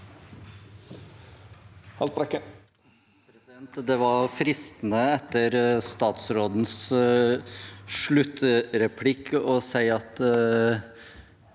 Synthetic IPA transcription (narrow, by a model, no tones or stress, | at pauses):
hɑlt̪̚bɾɛkə | pʰɾɛɛnt̪d̪ɛʋɑɾfɾɪst̪n̩əɛt̪ːəɾst̪ɑːt̪sɾoːd̪n̩s | ʂɭʉt̪ːɾɛpʰlɪkːɔsæɪɑt̪